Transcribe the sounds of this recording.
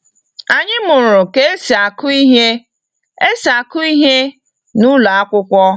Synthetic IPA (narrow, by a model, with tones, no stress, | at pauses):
a˨ɲɪ˦mʊ˨ɾʊ˨ke˦e˦si˨a˨kʊ˦i˦ɦe˦ | e˦sa˨kʊ˦i˦ɦe˦ | nu˦la˨a˦kʷʊ˦kʷɔ˦